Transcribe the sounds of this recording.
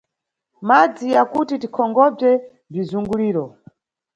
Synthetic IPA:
mad͡zijakutitikʰɔŋɡɔb͡ʐɛ | b͡ʐizuŋɡuliːɾɔ

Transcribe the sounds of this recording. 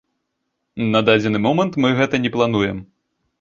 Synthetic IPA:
nɐd̪ad͡zʲɛnɨmɔmɐnt̪mɨɣɛt̪ɐnʲɛplˠan̪ujɛm

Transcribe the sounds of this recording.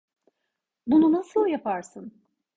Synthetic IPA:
bununasɯlˠjapʰaɾsɯn

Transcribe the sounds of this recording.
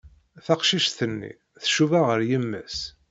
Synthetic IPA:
θɑqʃiʃθənːḭ | θʃuvaʁəɾjəmːə̰s

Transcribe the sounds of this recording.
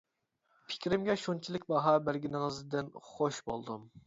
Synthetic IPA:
pʰɪ̥kʲɾɪmɡʲɛʃunt͡ʃʰilˠɪkʲbɑɦɑbæɾɡʲinɨŋɨzd̪ɪnχoʃbolˠd̪um

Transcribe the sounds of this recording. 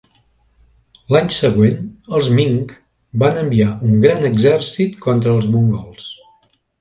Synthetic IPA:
laɲsəɣwenəlˠzmiŋk | banəmbiauŋɡɾanəɡzɛrsit̪kʰɔnt̪ɾəːlˠzmuŋɡɔlˠs

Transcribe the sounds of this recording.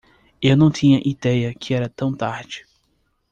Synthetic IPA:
ewnɐ̃w̃t̪ĩɲɐʔid̪ɛjɐkʰɪɛɾɐt̪ɐ̃w̃t̪aɾd͡ʒɪ

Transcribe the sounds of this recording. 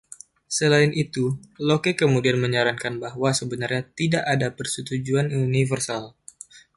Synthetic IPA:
səlaɪnʔit̪ulokekəmudianməɲaɾaŋkanbahwasəbənarɲat̪idaʔadapərsət̪ud͡ʒuanunivərsal

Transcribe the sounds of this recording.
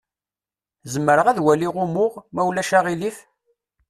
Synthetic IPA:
zəmːəɾəʁæðwæliʁʊmʊʁmæwlæʃæʁilif

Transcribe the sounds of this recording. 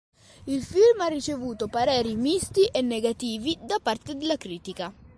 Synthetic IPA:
ilfilmarːit͡ʃevuːt̪opaɾɛːɾimist̪iʔɛnːeɡat̪iːvid̪apart̪ed̪ɪlːakɾiːt̪ika

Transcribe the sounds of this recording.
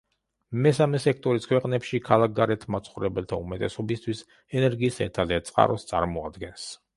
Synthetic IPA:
mɛsamɛsɛk̚ʰt̪ʼɔɾiskʰwɛqʼnɛpʃikʰalˠak̚ɡaɾɛt̪ʰmat̪sʰχuɾɛbɛlt̪ʰaumɛt̪ʼɛsɔbist̪ʰwis | ɛnɛɾɡiːsɛ̰t̪ʰad̪ɛt̪sʼqʼa̰ɾɔst̪sʼa̰ɾmɔa̰d̪ɡɛns

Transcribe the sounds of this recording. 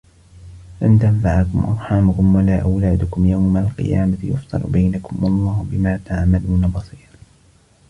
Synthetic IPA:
ʔant̪amfaʕakʊmʔɑ̰ɾˤħaːmʊkʊmwalaːʔawlaːd̪ʊkʊmjawmalqɨ̰jaːmat̪ɪjʊ̰ft̪ˤɨ̰ɾʊ̰bajnakʊmwɑlˤːɑːhʊbɪmaːt̪aʕmaluːnabɑsˤiːɾ

